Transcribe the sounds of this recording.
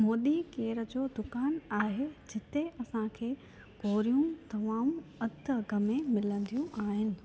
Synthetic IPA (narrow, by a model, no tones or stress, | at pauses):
moːɗikeːɾə̆d͡ʑoːd̪ʊkaːnaːɦed͡ʑʱɪt̪eɐsãkʰeː | koːɾijũt̪ɐmãːɐd̪ɐɡəmẽmɪlə̃nd̪ijũʔaːɦɪnɪ̆